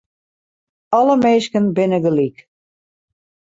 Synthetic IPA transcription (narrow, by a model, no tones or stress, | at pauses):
ɔləmeːskənbɪnəɡəlik